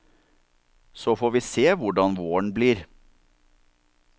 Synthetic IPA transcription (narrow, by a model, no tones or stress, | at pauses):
soːfoːʋiːseːʋʊɖɑnʋoːəɳ̩bliːɾ